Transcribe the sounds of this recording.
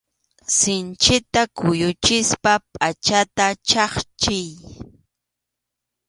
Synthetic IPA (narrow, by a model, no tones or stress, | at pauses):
sɪnt͡ʃɪt̪akʊjʊt͡ʃɪspapʼat͡ʃat̪at͡ʃɑχt͡ʃɪj